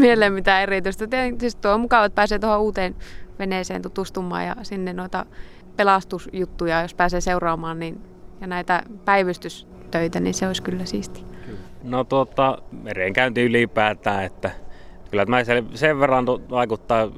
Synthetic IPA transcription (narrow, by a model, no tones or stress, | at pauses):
mieelemmit̪æeriˑt̪yist̪æt̪ieŋsist̪uoimukɑˑʋɑet̪̚pæːseːt̪ohouːt̪eːnʋeneˑsḛːnt̪ut̪uˑst̪umːˑɑ̰ːjɑ̰sinːenoit̪ɑ̰ | pelɑst̪usjut̪ːujɑjospæːseːseurɑːmɑːnnin | jɑnæit̪æpæiʋyst̪ys | t̪øit̪ænḭːnseosʲkylːæsiːst̪i̥not̪uot̪ːˑɑmereːŋkæˑynt̪iylipæːt̪ˑæːet̪ːækylːæt̪mæseseʋʋerːɑnt̪oʋɑˑikut̪ːɑ